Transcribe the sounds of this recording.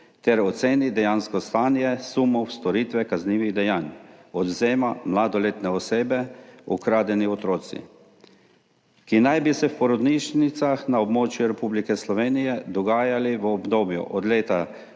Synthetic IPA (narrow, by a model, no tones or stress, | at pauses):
t̪ɛɾɔt̪seːnid̪ɛjaːnskɔst̪aːnjɛsumɔwst̪ɔɾiːt̪ʋɛkazniːʋiɣd̪ɛjanɔd̪zeːmamlad̪ɔleːt̪nɛɔseːbɛṵkɾaːd̪ɛniɔt̪ɾoːt̪sḭ | kinajbisɛwpɔɾɔd̪niʃnit̪saxnaɔbmoːt͡ʃjuɾɛpublikɛslɔʋeːnijɛd̪ɔɡaːjaliʋəɔbd̪oːbjṵʔɔd̪leːt̪a